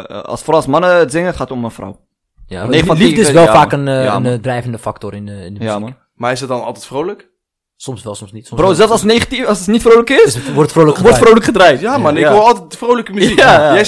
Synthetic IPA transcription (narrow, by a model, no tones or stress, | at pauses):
lˠsfrɔwsmɑnəzɪŋəχaːtɔmənfra̰w | janelifdəsʋɛlˠfaːkənja̰ndrɛjvəndəfaktʊɾɪnɪndəjai | maɪsdɔt̚dɔnɑ̰lˠtɛtfrowlək | sɔmsʋɛlˠsɔmsnitsɔfrozɛlˠfsɑlˠsənejχatifɑsətnitfrowləkɪsɔɹtfrowləʋɔrtfrowləkχədrajtjamɑnɪɪɑlˠtɛt̚dəfrowləkəmyikajɛj